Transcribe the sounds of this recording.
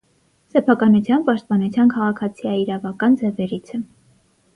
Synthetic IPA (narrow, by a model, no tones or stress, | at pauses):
sɛpʰɑkɑnut͡sʰjɑnpɑʃt̪̚pɑnut͡sʰjɑnkʰɑʁɑkʰɑt͡sʰijɑiɾɑvɑkɑnd͡zɛvɛɾit͡sʰɛ